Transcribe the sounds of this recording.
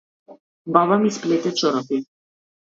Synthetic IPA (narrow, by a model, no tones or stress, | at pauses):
baβamisplɛt̪ɛt͡ʃɔɾɔfi